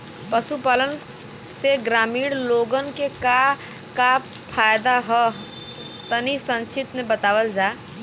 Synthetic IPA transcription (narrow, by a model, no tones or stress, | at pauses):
pəʃupaːlən | seɡɾaːmiːɽloːɡənkeka | kapʰaːjd̪aɦə | t̪ənisə̃nt͡ʃʰɪt̪mebət̪aːʋəld͡ʒaː